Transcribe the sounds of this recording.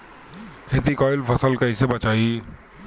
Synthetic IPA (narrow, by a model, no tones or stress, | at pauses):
kʰet̪ikɔɪlpʰəsəlkəɪsebət͡ʃaːi